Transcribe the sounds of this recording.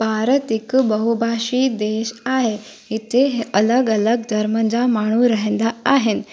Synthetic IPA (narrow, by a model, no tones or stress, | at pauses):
baɾət̪ikbəɦubʱaɕiːd̪eɕaɦe | ɦit̪ʰeɦeʔələɡələɡd̪ʱəɾmənd͡zamaɽ̃uːɾəɦẽnd̪aaɦen